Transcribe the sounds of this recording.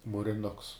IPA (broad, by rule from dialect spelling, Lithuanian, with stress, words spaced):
muːrʲɪˈnʊks